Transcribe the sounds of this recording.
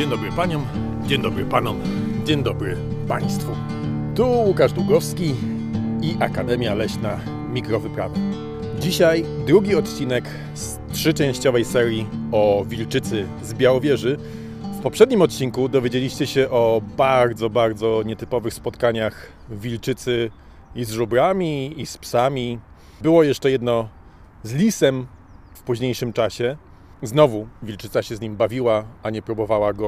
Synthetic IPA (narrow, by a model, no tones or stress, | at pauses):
d͡ʑeɲd̪ɔbɾɨpaɲɔm | d͡ʑeɲd̪ɔbɾɘpanɔm | d͡ʑeɲd̪ɔbɾɘ | paj̃st̪fu | t̪uwukaʐd̪uɡɔfskʲi | iʔakad̪ɛmʲjalɛɕna | mʲikɾɔvɘpɾava | d͡ʑiɕajd̪ɾuɡʲiɔt̪t͡ɕinɛk | s | tʂɘt͡ʂɛ̃w̃ɕt͡ɕɔvɛjsɛɾʲjiɔvʲilt͡ʂɘt̪sɘ | zbʲjawɔvʲjɛʐɘ | fpɔpʂɛd̪ɲimɔt̪̚t͡ɕiŋkud̪ɔvʲjed͡ʑelʲiɕt͡ɕɛɕɛʔɔbaɾd̪zɔbaɾd̪zɔɲɛt̪ɘpɔvɘxspɔt̪kaɲax | vʲilt͡ʂɘt̪sɘ | izʐubɾamʲiːspsamʲi | bɘwɔjɛʂt͡ʂɛjɛd̪nɔ | zlʲisɛm | fpuʑɲejʂɘmt͡ʂaɕɛ | znɔvuvʲilt͡ʂɘt̪saɕɛzɲimbavʲiwaaɲɛpɾubɔvawaɡɔ